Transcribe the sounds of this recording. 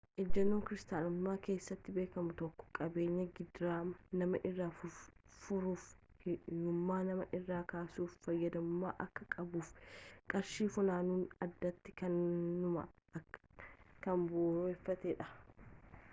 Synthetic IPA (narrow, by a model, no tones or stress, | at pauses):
ʔɛd͡ʒːɐnːoːŋkɪɾɪst̪aːnɐmːaːke̞ːsːɐt̪ːɪbe̞ːkɐmʊt̪ɔkːɔ̥kʼɐbe̞ːɲːɐɡɪd̪ɾaːnɐmɐʔɪrːaːfʊfʊɾuːf | jʊmːaːnɐmɐʔɪrːaːkaːsuːfːɐjːɐd̪ɐmʊmːa̰ːʔɐkːɐkʼɐbuːfkʼɐɾʃiːfʊnaːnuːnɐd̪ːɐt̪ːɪ̥kɐnːʊmɐ̰ | kɐmboːnʊɛfːɐt̪eːᶑɐ̥